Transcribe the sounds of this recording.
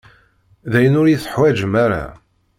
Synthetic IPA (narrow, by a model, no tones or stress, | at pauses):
ðæjənʊɾjɪθə̥ħwæd͡ʒəmæɾa̰